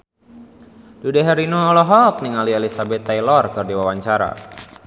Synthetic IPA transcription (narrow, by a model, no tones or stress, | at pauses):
dudɛɦɛɾinoːlɔɦɔk̚niŋalielisabɛt̪ːajlɔrkɨrdiwawaɲt͡ʃaɾa̰